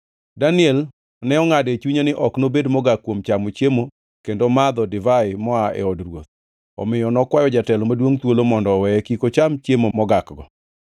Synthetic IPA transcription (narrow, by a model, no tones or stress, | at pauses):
danɪɛl | nɛɔŋadet͡ʃuɲonɪʔɔknobedmɔɡakːwomt͡ʃamot͡ʃemo | kendomad̪ɔdɪvaɪmɔaɛ̰ɔdrwo̰t̪̚ | ɔ̰mɪjɔnɔkwajɔd͡ʒatɛlɔmadwoŋt̪wolomɔndɔwɛkikot͡ʃamt͡ʃemomɔɡakɡɔ